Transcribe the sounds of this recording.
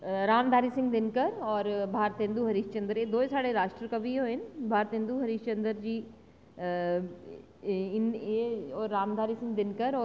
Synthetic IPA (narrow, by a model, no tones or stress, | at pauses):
ɾaːmd̪ʱaːɾisɪ̃ŋɡd̪ɪnkəɾɔːɾbʱaːɾt̪ẽnd̪uɦɐɾiːʃt͡ɕɐ̃nd̪əɾed̪oːesaːɽeɾaːʃʈɾəkɐbioːɦɪnɪ̆bʱaːɾt̪ɦɪ̃nd̪uɦɐɾiːʃt͡ɕɐ̃nd̪əɾd͡ʑiː | ɪnɔːɾːaːmd̪ʱaːɾisɪ̃ŋɡd̪ɪnkəɾɔː